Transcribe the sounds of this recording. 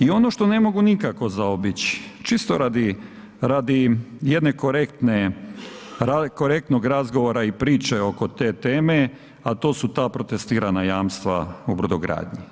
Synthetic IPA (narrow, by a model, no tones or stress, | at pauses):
io̞no̞ʃt̪o̞ne̞mo̞ɡunikako̞zaobit͡ɕi̥t͡ʃist̪oɾad̪i | ɾad̪ijed̪ne̞koɾekt̪ne | ɾakoɾe̞k̚t̪no̞ɡɾazɡo̞ʋoɾaipɾiːt͡ʃeo̞ko̞t̪e̞ːt̪eːme̞ | at̪o̞ːsut̪aːpɾo̞t̪est̪iːɾanajaːmst̪ʋaubɾud̪oɡɾa̰ːd̪ɲi